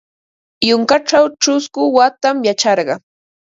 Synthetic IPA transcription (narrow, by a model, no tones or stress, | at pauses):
jʊŋkaʈ͡ʂawʈ͡ʂʊskʊwat̪amjat͡ʃɑɾɢɑ